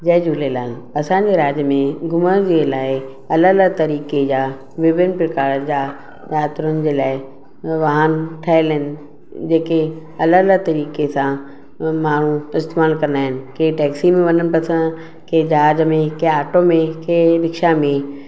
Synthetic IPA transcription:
d͡ʑɐɦd͡ʑuːlelaːɪnɐsãːɲ̆d͡ʑeɾaːd͡ʑəmẽɡʊməɾd͡ʑeːlaːɪ | ɐləələɡt̪ɐɾiːked͡ʑaː | ʋɪʋɪnpɾɪkaːɾəd͡ʑaː | jaːt̪ɪɾʊnɪd͡ʑeːlaːɪ | ʋɐɦənʈʰaːɪlɦɪnɪ̆ | d͡ʑeːke | ɐləələt̪ɐɾiːkesã | maːɳ̤ũɪst̪eːmaːlkɐɾənd̪aːɦɪnɪ̆keːiʈɛːksimẽʋɐnənɪ̆pɐsʰə̃n | kʰeːd͡ʑaːd͡ʑəmẽkeaːʈomẽkeːɾɪkʃamẽ

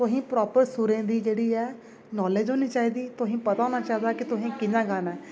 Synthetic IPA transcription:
t̪ʊɦĩːpɾɔːpəɾsuɾẽːd̪iːd͡ʒeːɽiːɛː | nɔːleːd͡ʒɦoːniːt͡ʃaːiːd̪iːt̪ʊɦĩːpət̪aːõːnaːt͡ʃaːɦĩd̪aːkɪt̪ʊɦĩːkɪnãːɡaːnɛː

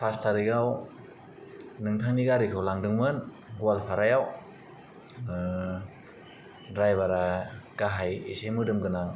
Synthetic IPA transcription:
pʰastʰaɾiɡaw | nɯŋtʰaŋniɡaɾikʰɯwlaŋdɯŋmɯn | ɡwalpʰaɾajaw | ɾajbaɾaɡ̥aɦajesemɯdɯmɡɯnaŋ

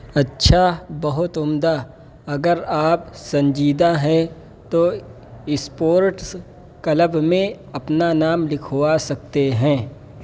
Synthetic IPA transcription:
ɐtːʃʰabɐɦʊt̪ʊmd̪a | ɐɡəɾaːp̚sɐ̃ɲd͡ʒiːd̪aɦɛ̃ | t̪o | ɪspoːɾʈs | kɐləbmẽ | ɐpnanaːmlɪkʰoasɐk̚t̪eɦɛ̃ː

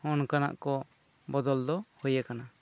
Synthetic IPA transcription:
ɔnkana̰ʔkɔ | bɔd̪ɔld̪ɔhɔjakana

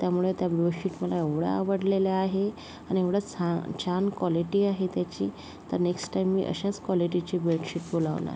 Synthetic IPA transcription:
t̪jamuɭet̪jabloɕiʈməlaeʋɽa̰aʋəɽleljaaɦe | añieʋɽat͡sat͡ɕʰankʋɔliʈiːaɦet̪jat͡ɕḭː | t̪əɾneksʈʈajmːḭʔə̰ɕat͡skʋɔliʈit͡ɕiːbɾeʈɕiʈbolaʋna̰ɾ

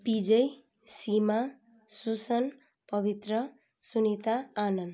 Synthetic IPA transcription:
pid͡ʒʌj | sima | susʌn | pʌbit̪ɾʌ | sunit̪aːnʌn

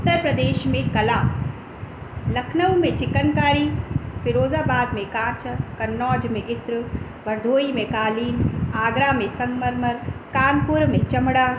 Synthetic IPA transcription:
ʊt̪əɾpɾɐd̪eːʃmẽkɐlaː | lɐkʰnəwmẽt͡ʃɪkənkaːɾipɪɾoːzaːbaːd̪mẽkãːt͡ʃkɐnːɔːd͡ʒmẽʔɪt̪ɾə | ʋɐɾd̪ʱoːimẽkaːliːnaːɡɾaːmẽsɐŋɡmɐɾməɾkaːnpʊɾmẽt͡ʃɐmɽaː

